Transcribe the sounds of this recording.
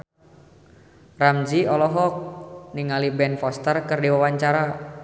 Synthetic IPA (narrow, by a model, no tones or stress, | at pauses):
ramd͡ʒiɔlɔɦɔk̚niŋalibɛnfɔst̪ərkɨrdiwawaɲt͡ʃaɾa